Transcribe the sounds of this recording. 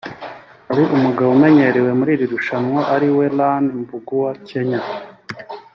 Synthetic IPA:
aɾiʔumuɡawume̞ɲe̞ɾewe̞muɾiːɾiɾuʃanŋwaʔaɾiwe̞lanmbuɡuwace̞ɲa

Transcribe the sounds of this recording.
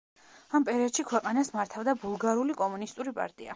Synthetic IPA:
ampʼɛɾiɔd̪̥ʃikʰwɛqʼanasmaɾt̪ʰavd̪abulˠɡaɾulikʼɔmunist̪ʼuɾipʼa̰ɾt̪ʼia̰

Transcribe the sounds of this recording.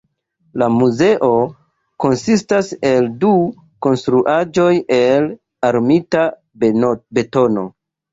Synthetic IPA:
lamuze̞ʔo̞ | ko̞nsistase̞ldu | ko̞nstɾuʔad͡ʒo̞je̞l | aɾmita | be̞to̞no̞̰

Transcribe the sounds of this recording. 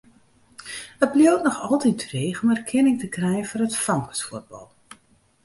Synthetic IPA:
əblijowtnɔxɔlˠtitreːɣɔmɛrkʰɪnɪŋtəkrɛjəfɔrətfrɔŋkə̥sfuəd̚bɑ̰lˠ

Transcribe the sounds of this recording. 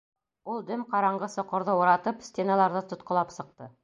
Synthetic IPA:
ulˠd̪ɵmqɑɾɑɴɢɤsŏqŏɾðɤwŏɾɑt̪ɤpst̪ʲenɑlˠɑɾðɤt̪ŏt̪qŏlˠɑpsɤ̆q̚t̪ɤ

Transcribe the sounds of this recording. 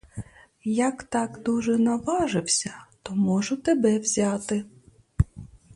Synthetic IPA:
jɐkt̪ɑkd̪uʒɛnɐʋɑʒɪwsʲɐt̪ɔmɔʒʊt̪ebɛwzʲɑt̪ɪ

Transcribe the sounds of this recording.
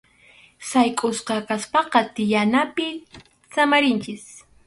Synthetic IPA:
sajkʼʊsqɑkaspɑqɑt̪ɪjanapɪ | samaɾɪnt͡ʃɪs

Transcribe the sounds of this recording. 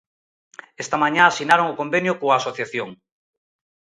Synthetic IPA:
est̪amãɲãasinaɾoŋʊkombenjʊkoaːsoθjaθjoŋ

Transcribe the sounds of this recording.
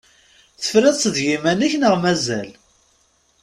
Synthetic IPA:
θə̥fɾæðsəðʝimænæçnəʁmæzæl

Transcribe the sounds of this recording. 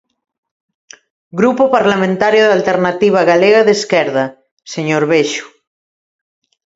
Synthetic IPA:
ɡɾupopaɾlamẽnt̪aɾjoðalt̪eɾnat̪iβ̞aɣaleɣaðeskɛɾða | seɲoɾβeʃu̥

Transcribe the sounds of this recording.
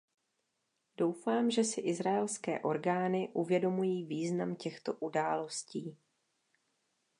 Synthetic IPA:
do̞wfaːmʒɛsɪʔɪzɾaɛlskɛ̰ːʔo̞ɾɡaːnɪʔuvjɛdo̞mujiːviːznamcɛxt̪o̞ʔudaːlo̞sciː

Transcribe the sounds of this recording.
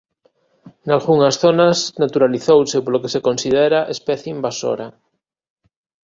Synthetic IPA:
nalɣuŋasθonasnat̪uɾaliθowsepoɾlokesekonsið̞eɾaʔespɛθjeimbaso̰ɾa

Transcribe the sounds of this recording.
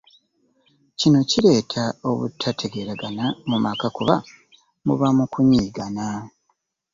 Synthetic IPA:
cino̞ciɾe̞ːtʰao̞βṵtʰːatʰe̞ɡe̞ɾaɡanamumakakuβa | mṵβamukuɲiːɡana

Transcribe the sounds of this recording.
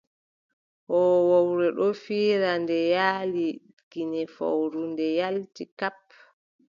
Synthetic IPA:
hɔwawɾɛɗɔfiːɾandɛjaːli | ɡ̥inɛfa̰wɾundɛjaltikap̚

